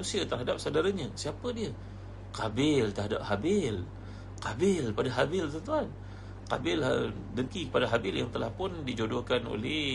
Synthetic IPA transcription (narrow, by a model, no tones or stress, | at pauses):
nusiat̪ərɦadap̚sadaɾaɲasiapədiə | kabɪlt̪ərɦada̰p̚habɪl | kabɪlpadaɦabɪlt̪ənt̪uan | ka̰bɪla | dəŋkikə̥padaɦabɪljaŋt̪əlahpʊndid͡ʒodokano̰lɛ